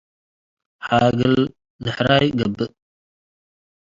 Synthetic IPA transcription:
ħaɡəl | zəħɾajɡəbə

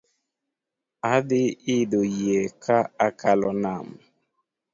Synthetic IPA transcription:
aðɪidojekʰaakʰalɔnam

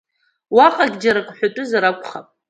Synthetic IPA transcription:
waqʼaɡʲd͡ʒaɾakʷʼħʷᶣatʼʊzaɾakʷʼχapʼ

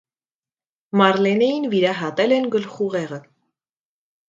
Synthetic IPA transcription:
mɑɾlɛnɛjinviɾɑɦɑt̪ɛlɛnɡəlχuʁɛʁə

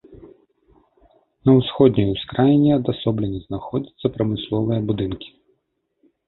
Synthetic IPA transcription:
nɐwsxɔd̪ʲnʲijuwskɾajinʲiɐd̪asɔblʲɛnʲiznaxɔd͡zʲit̪sːɐpɾɐmɨslˠɔvɨjɐbud̪ɨnkʲi̥

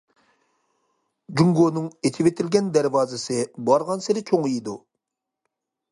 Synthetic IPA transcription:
d͡ʒuŋɡonɨŋet̪ʰɪvet̪ʰɪlɡʲɛnd̪æɾvɑːzɨsɨbɑɾʁɑnseɾɪt͡ʃʰoŋjid̪u

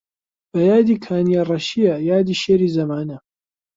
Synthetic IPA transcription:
b̥ɐjaːd̪iːkʰaːnijarˤɐʃiɐjaːd̪iːʃeːɾiːzɐmaːnɐ

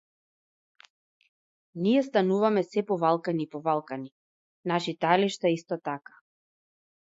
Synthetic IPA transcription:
nijɛst̪anuvamɛsɛpɔvalˠkaniːpɔvalˠkani | naʃit̪aliʃt̪aist̪ɔt̪akḁ

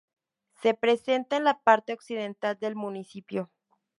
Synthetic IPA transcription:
se̞pɾe̞se̞nt̪aenlapaɾt̪eoksið̞e̞nt̪ald̪e̞lmũnisipjo

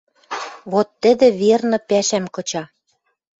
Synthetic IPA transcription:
βot̪ːɘ̆d̪ɘ̆βernɤ̆pæʃæmkɤ̆t͡ɕɑ

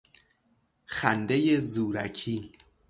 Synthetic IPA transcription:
xænd̪ejezuːɾæ̰cʰiː

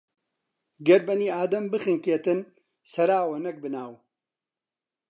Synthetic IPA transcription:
ɡɐɾbɐniːaːd̪ɐmbɨxɨŋkeːt̪ɨn | sɐɾaːwɐnɐk̚bɨnaːw

